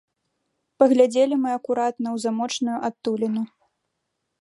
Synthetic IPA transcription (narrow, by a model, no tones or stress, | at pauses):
pɐɣlʲad͡zʲelʲimɨɐkuɾat̪nɐwzamɔt͡ʂnujuʔat̪ːulʲinu